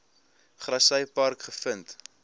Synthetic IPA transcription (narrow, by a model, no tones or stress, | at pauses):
χrɐsəjpɐrkχəfənt